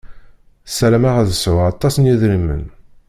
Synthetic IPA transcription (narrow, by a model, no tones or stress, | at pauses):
sælæmæʁæðəsʕʊʁɑt̪ˤːɑsnjiðɾimːə̰n